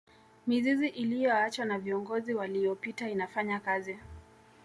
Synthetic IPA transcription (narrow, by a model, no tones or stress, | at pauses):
miziziʔilijɔat͡ʃwanaviɔŋɡɔziwalijɔpitainafaɲakazi